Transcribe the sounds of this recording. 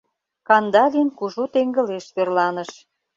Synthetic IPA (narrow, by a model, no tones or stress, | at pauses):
kɑnd̪ɑlʲinkuʒut̪eŋɡə̆leʃβerlɑnə̆ʃ